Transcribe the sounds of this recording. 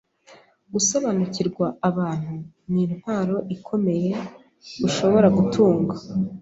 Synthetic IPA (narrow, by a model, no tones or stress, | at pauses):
ɡuso̞βanuciɾɡwaaβaːn̥hu | niːnhwaːɾo̞ʔikʰo̞me̞je̞ | ɡuʃo̞βo̞ɾaɡutʰuːŋɡa